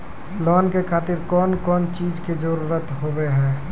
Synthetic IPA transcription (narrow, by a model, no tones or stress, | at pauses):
lɔːnkekʰaːt̪ɪɾkɔːnkɔːnt͡ʃiːd͡ʒked͡ʒəɾuːɾət̪ɦoːbɛɦɛ̃ː